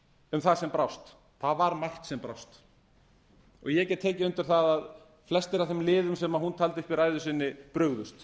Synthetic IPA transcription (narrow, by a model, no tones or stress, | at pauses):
ʏmθaðsɛmpɾawst̪ | θaðvaɾmajr̥t̪sɛmpɾawst̪ | ɔ̰ɣjɛcɛt̪ʰːɛːcɪʏnt̪ʏɾ̥θaðað | flɛst̪ɪɾavθɛmlɪːðʏmsɛmahunt̪ʰaːlt̪ɪʏhpviɾaːjðʏsɪnːɪpɾœɣðʏst̪